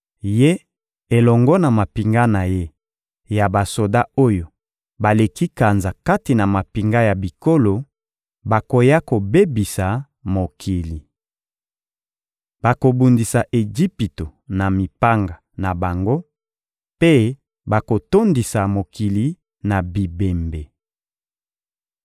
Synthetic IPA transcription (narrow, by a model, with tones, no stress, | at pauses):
je˦ | e˨lɔ˨ŋɡɔ˦na˨ma˨pi˨ŋɡa˦na˨je˦ | ja˨ba˨so˨da˦o˦jo˨ | ba˨le˨ki˦ka˨nza˨ka˦ti˨na˨ma˨pi˨ŋɡa˦ja˨bi˨ko˦lo˨ | ba˨ko˨ja˦ko˨be˦bi˨sa˨ | mo˨kʰi˨li˨ | ba˨ko˨bu˨ndi˨sa˨ʔe˨d͡ʒi˦pi˨to˨na˨mi˨pa˦ŋɡa˨ | na˨ba˨ŋɡo˦ | pe˦ | ba˨ko˨to˦ndi˨sa˨mo˨ki˨li˨ | na˨bi˨be˨mbe˨